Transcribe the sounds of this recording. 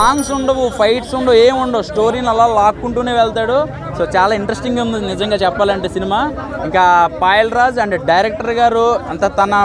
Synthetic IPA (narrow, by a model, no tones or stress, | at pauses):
aːŋksuɳɖɐʋupʰɐjʈsuɳɖoeːmuɳɖoːsʈo̞ːɾiːnɐlaːlaːkːuɳʈuːneːʋɛɭt̪aːɽu | so̞ːt͡ʃaːlaːiɳʈɾesʈiŋɡund̪inɪzɐŋɡaːt͡ʃɛpːaːlɐɳʈe̞ːsinimaː | iŋkaːpaːjlɾaːd͡ʒɐɳʈeːɖɐjɾek̚ʈɐɾɡaːɾuɐnt̪aːt̪ɐnɐ